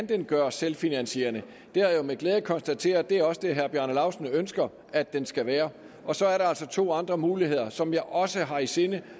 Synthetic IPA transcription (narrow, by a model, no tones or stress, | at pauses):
nd̥enɡ̥ɶɐselfinænɕe̝̰ːɐnə | d̥eæɐjomeɡ̥leːðˠəkʰɒ̽nsd̥æt͡sʰe̝̰ːɐd̥e̝æɐɒ̽səd̥e̝ɦæɐb̥jæɐnəlɑ̈ʊsn̩ønsɡ̥ɐ | æd̥ːensɡ̥æʋæːɐ | ɒ̽sɒ̽æɐɾɑ̈ælsɒ̽t͡sʰo̝̰ːɑ̈nd̥ʁɐmuːliɦe̝ð̰ˠɐsɒ̽mjɑ̈ɪʔɒ̽səɦɑ̈ise̝nə